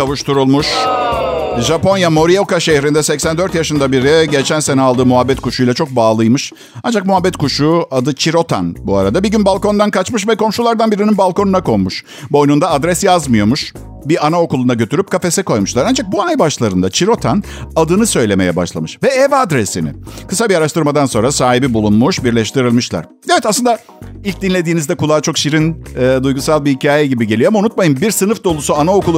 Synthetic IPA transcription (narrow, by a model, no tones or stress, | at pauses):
kavuʃt̪ʰuɾulˠmuʃ | ʒapo̞njamo̞ɾijo̞kaʃe̞hɾind̪ɛsɛcsænd̪ø̞ɾt̪jaʃɯnd̪abiɾiɟet͡ʃʰænse̞nɛalˠd̪ɯːmuɦabːɛt̪kʰuʃujlˠat͡ʃʰo̞k̚baːlˠɯjmɯʃ | and͡ʒak̚muɦabːɛt̪kʰuʃuad̪ɯt͡ʃʰiɾo̞t̪ʰa̰nbuaɾad̪abiɟynbalˠko̞nd̪ankat͡ʃmɯʃ̬vɛko̞mʃulˠaɾd̪anbiɾininbalˠko̞nunako̞mmuʃ | bo̞jnund̪aːd̪ɾɛsjazmɯjo̞muʃ | bianao̞kulˠunaɟø̞t̪ʰyɾyp̚kʰafe̞sɛko̞jmuʃlˠaɾand͡ʒak̚buanajbaʃlˠaɾɯnd̪at͡ʃʰiɾo̞t̪ʰan | ad̪ɯnɯsø̞jlʲe̞me̞jɛ̰ba̰ʃlˠa̰mɯʃvɛɛvad̪ɾesinɪ̰kʰɯ̥sabiaɾaʃt̪ɯɾmad̪anso̞nɾasaːɦibibulˠunmuʃbiɾlʲɛʃt̪ʰiɾilʲˠmɯʃlˠa̰ɾ̥ | evɛt̪asɯnd̪a | ilʲc̚d̪inlʲe̞d̪iːnizd̪ɛkulˠaːt͡ʃʰo̞kʃiɾinːd̪ujɡusalˠbihicʰaːjɛɟibiɟe̞lʲijo̞amaunut̪̚majɯmbiɾsɯnɯfd̪o̞lˠusuanao̞kʰulˠ